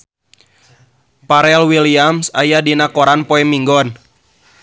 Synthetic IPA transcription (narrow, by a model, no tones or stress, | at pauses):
paɾɛlwiliamsajadinakɔɾanpɔɛmiŋɡɔn